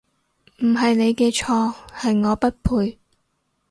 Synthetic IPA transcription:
m̩˨˩ɦɐ˨jne˨˧jkɛː˧t͡ʃʰɔː˧hɐ˨jŋɔː˨˧pɐ˥t̚pʰuː˧j

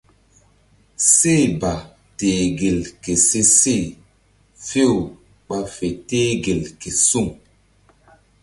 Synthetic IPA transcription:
se˦˨ba˨ | te˨ɡe˨lke˨se˦se˦˨ | fe˦˨w | ɓa˦fe˨te˦ɡe˨lke˨su˦˨ŋ

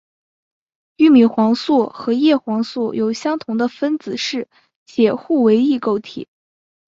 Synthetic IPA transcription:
y˥˩mi˨˩xwɑ˧˥ŋswu˥˩xɤ˧˥jɛ˥˩xwɑ˧˥ŋswu˥˩jo˨˩ʊɕjɑ˥ŋt̪ʰʊ˧˥ŋd̪ə˧fə˥nt͡sɹ̩˨˩ʂɻ̩˥˩ | ɕjɛ˨˩xu˥˩we˧˥ɪi˥˧ko˥˩ʊt̪ʰḭ˨˩˦

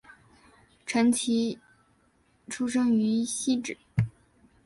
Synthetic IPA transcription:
ʈ͡ʂʰə˧˥ŋt͡ɕʰi˧˥ | ʈ͡ʂʰu˥ʂɤ˥ŋy˧˥ɕi˥˩ʈ͡ʂɻ̩˨˩˦

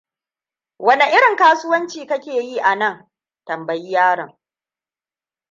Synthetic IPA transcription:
wɐ˦ne˦ʔɪ˦ɽɪ˨ŋkaː˦sʊ˦wɐ˦nt͡ʃiː˨kɐ˦kʲeː˨ji˦ʔa˨nɐ˦˨ŋ | tɐ˨mbɐ˨jiː˦jaː˦ɽɐ˨ŋ

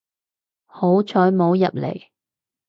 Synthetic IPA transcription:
ho˨˥wt͡ʃʰɔː˨˥jmo˨˥wjɐ̰˨p̚lḛ˨˩j

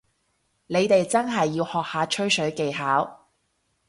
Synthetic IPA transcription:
ne˨˧jt̪e˨jt͡sɐ˥nɦɐ˨jːiː˧whɔː˨k̚haː˨˧t͡ʃʰɵ˥ɥsɵ˨˥ɥke˨jɦaː˨˥w

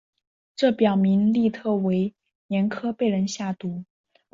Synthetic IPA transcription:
ʈ͡ʂɤ˥˩pjɑ˨˩ʊmi˧˥ŋli˥˧t̪ʰɤ˥˩we˧˥ɪ | njɛ˧˥nkʰɤ˥pe˥˩ɪɻə˧˥nɕja˥˩t̪u˧˥

